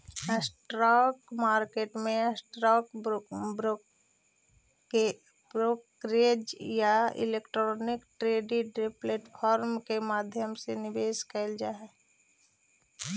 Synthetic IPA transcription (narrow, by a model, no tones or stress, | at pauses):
sʈɾɔːkmaːɾkeːʈmẽsʈɾɔːk | e | bɾok | ɾed͡ʒjaɪ̰leːkʈɾɔːnɪkʈɾeːɖiɖɾepleːʈpʰɔːɾmkemaːd̪ʱjəmsenɪbeːskəld͡ʒaːɛ